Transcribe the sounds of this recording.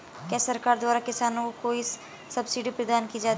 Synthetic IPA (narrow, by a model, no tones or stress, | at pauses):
kɛːsəɾkaːɾd̪waːɾaːkɪsaːnũkoːis | səbsiɖiːpɾəd̪aːnkiːd͡ʒaːt̪i